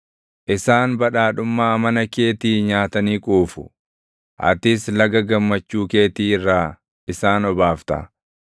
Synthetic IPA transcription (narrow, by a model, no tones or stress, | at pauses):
ʔɪsaːnbɐᶑaːᶑʊmːaːmɐnɐkeːt̪iːɲaːt̪ɐniːkʼuːfʊ̰ | ʔɐ̰t̪ɪslɐɡɐɡɐmːɐt͡ʃːuːke̞ːt̪iːɪrːaː | ɪsaːnɔbaːft̪ɐ̰